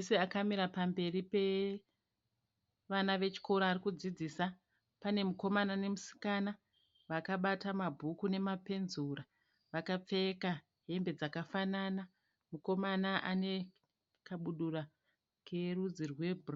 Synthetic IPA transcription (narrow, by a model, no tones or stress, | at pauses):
seakamiɾapambe̞ripe̞ | ʋanaʋe̞t͡ʃi̥ko̞ɾoarikud͡zid͡ziːsa | pane̞muko̞manane̞musi̥kana | ʋakaɓatamabʱukune̞mape̞nzura | ʋakap͡fe̞ka | ɦe̞mbe̞d͡zakafanana | muko̞manaʔane̞ | kaɓuɗura | kʰe̞rud͡zirwe̞bʱr